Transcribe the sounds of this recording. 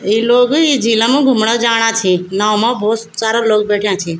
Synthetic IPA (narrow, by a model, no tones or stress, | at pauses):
iːloːɡiːd͡ʒʱiːlãmũːɡʱʊmɽəd͡ʒaːɽ̃ãːt͡ʃʰeːnãːomãːboːt | saːɾãloːk̚beːʈʰijãːt͡ʃʰeː